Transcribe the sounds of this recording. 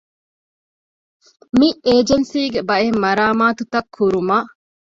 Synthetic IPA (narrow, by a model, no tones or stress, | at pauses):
miʔeːd͡ʒensiːɡebɐemːɐɾaːmaːt̪ut̪ɐkʰːuɾumaː